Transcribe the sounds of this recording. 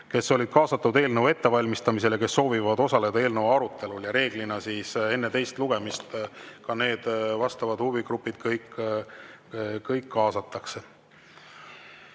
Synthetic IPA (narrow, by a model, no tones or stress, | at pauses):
ke̞sːo̞lʲid̪̥̚kʰɑːsɑt̪ːud̪̥e̞ːlnəwe̞t̪ːe̞vɑlʲmist̪ɑmis̬e̞leke̞sːo̞ːvivɑd̪̥o̞sɑle̞d̪ɑe̞ːlnəwɑɾut̪ːˑe̞luljɑɾe̞ːɡ̥linɑsise̞nːet̪e̞jst̪luɡ̥e̞mist̪kɑne̞ːd̪̥vɑst̪ɑvɑd̪huviɡ̥ɾupːˑid̪̥kɤjk | kːɤjkːɑːsɑt̪ːˑɑkse̞